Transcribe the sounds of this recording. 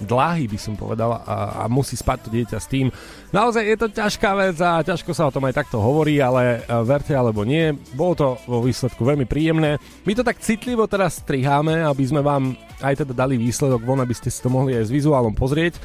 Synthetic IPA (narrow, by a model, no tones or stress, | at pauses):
d̪laɦiːbisɔmpɔ̰ʋɛ̰d̪ala̰musiːspac̚t̪ɔɟɪɛcast̪iːm | naɔzajjɛt̪ɔcaʃkaːʋɛd͡zacaʃkɔsaɔt̪ɔmajt̪ak̚t̪ɔɦɔʋɔɾiːalɛʋɛɾcɛalɛbɔɲɪɛbɔlɔt̪ɔʋɔʋiːslɛt̪kuʋɛlmipɾiːjɛmnɛː | mit̪ɔt̪akt͡sit̪liʋɔt̪ɛɾasːt̪ɾiɦaːmɛabizmɛʋaːm | ajt̪ɛd̪ad̪aliʋiːslɛd̪ɔɡʋɔnabiscɛsi̥t̪ɔmɔɦliajzʋizuaːlɔmpɔzɾɪɛc